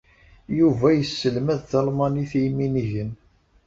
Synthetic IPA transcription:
juvæjəsːəlmæðθɑlmɑniθiminiʝən

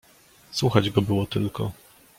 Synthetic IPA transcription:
swuxad͡ʑɡɔbɘwɔt̪ɘlkɔ̰

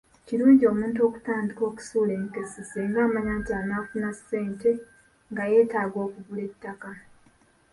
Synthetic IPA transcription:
ciɾuːɲɟio̞ːmuːnt̬o̞ːku̥taːndiko̞ːku̥suːle̞ːŋke̞seseŋɡaːmaɲaːtaːnaːfunasːe̞ːnte̞ | ŋɡaje̞ːtaːɡo̞ːkuβule̞tːaka

